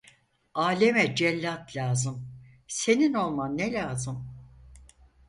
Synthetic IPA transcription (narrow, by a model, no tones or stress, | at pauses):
aːlʲemɛd͡ʒɛlʲːat̪lʲaːzɯm | se̞nino̞lˠmanːelʲaːzɯm